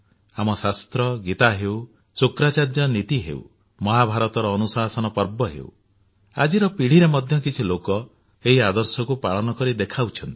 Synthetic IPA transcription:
amɔsast̪ɾɔɡit̪aɦew | sukɾat͡ʃaɾd͡ʒɔnit̪iɦḛṵ | mɔɦabʱaɾɔt̪ɔɾɔːnusasɔnɔpɔɾbɔɦḛw | a̰d͡ʒiɾɔpiɽ̤iɾemɔd̪ʱjɔkit͡ʃʰilokɔ | eɦiad̪ɔɾsɔkupaɭɔnɔkɔɾid̪ekʰawt͡ʃʰɔnt̪i̥

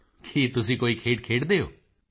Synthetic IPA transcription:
kʰiːt̪ʊs̬ĩːkoːikʰeːʈ̚kʰeːʈd̪eːjo̰ː

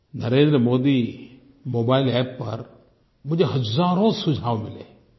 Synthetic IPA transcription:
nɐɾẽːnd̪ɾəmoːd̪i | moːbaːɪlɛːpːɐɾ | mʊ̃ɦd͡ʒeɦɐzaːɾõsʊd͡ʒʱaːʋmɪlḛː

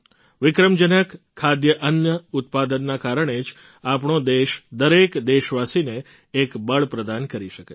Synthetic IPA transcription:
ʋɪkɾəmd͡ʒənəkʰːad̪jəʔənjəʊt̪̚pad̪ənːakaɾəɳ̃ed͡ʒ | apɳod̪eʃd̪əɾekd̪eʃʋasineː | kbəɭpɾəd̪ankəɾiʃəke

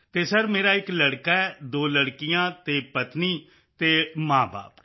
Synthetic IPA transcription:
t̪eːsəɾmeːɾaːɪkləɽkaːɛːd̪oːləɽkɪjãːt̪eːpət̪niː | t̪eːmãːba̰ːp

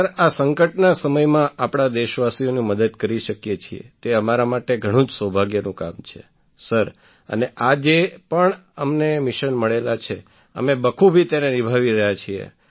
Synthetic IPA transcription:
əɾasəŋkəʈnasəməjmãʔapɽ̃ad̪eʃʋasionĩməd̪əd̪kəɾiʃəkjet͡ʃʰiḛt̪eəmaɾamaʈeɡʱəɽ̃ũd͡ʒsəbʱaɡjənũka̰mt͡ʃʰḛ | səɾ | ə̰neʔad͡ʒepəɳəmnemiʃənməɭelat͡ʃʰe | ə̰mebəkʰubʱit̪enenibʱaʋiɾəɦjat͡ʃʰiḛ

